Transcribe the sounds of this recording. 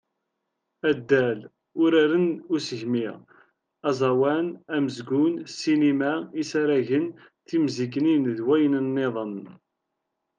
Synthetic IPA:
æd̪ːæl | ʊɾæɾənʊsəʝmiʁ | ɑzˤɑwænæməzɡʊnsinimæisæɾæʝən | θimziɡəninðwæjənənːeðˤən

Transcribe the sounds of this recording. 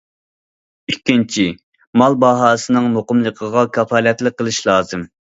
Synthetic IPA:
ykʲːint͡ʃʰi | mɑlˠbɑɦɑːsɨnɨŋmoqʊmlˠəqʰəʁɑkʲʰɑfɑːlɛt̪lɪk̚qːəlˠɨʃlˠɑːzɨm

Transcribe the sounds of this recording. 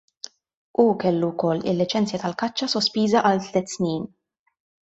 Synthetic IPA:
ukɛlːuwkɔlːɪ̰lːɪt͡ʃɛnt͡sjɐt̪ɐlkɐt͡ʃːɐsɔspiːzɐʔɐlt̪lɛt̪ːsniːn

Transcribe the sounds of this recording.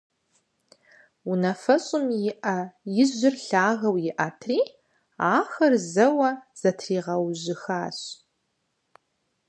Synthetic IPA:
unɐfɐɕʼɪmjɪʔɐjɪʑɪrɬaːʁɐwjɪʔɐtʰriː | aːxɐrzɐwɐz̥ɐtʰriːʁɐwʑɪxaːɕ

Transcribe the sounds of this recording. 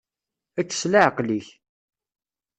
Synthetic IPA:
æt͡sːə̥slaʕqliç

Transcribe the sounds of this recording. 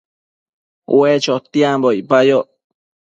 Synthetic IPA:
w̰et͡ʃot̪iãmboipajo

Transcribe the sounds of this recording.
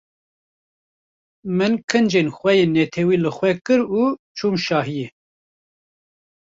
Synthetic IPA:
mɨnkʰɨnd͡ʒenxʷwɛjeːnːɛt̪ʰɛwiːlɨxʷwɛkɨɾuːt͡ʃʰuːmʃɑːɦijɛ

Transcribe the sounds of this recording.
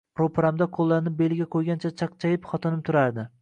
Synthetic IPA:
ɾopʰɾamd̪aqʰolˠːaɾnɪp̚be̞lɡʲaqʰojɡʲant͡ʃʰat͡ʃʰɑq̚t͡ʃʰajɪpχɒt̪ʰɪnɪp̚t̪ʰʊɾaɾd̪ɪ

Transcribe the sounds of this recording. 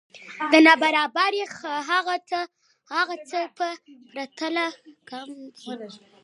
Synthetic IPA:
d̪ənabaɾɑbaɾexɦaɣat͡sə | haɣat͡səpəpɾat̪əlakam

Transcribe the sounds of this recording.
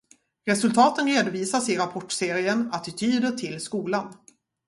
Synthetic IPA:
ɾɛsɵlt̪ʰɑːt̪ənɾeːd̪ʊviːsasɪɾapʰɔʈseːɾɪənat̪ɪt̪ʰyːd̪əʈʰɪlskuːlan

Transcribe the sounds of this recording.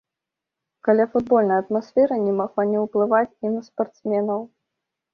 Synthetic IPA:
kalʲafud̪̚bɔlʲnɐjɐt̪masfʲɛɾɐnʲɛmaɣlˠanʲɛwplˠɨvat͡sʲinɐspart̪smʲɛnɐw

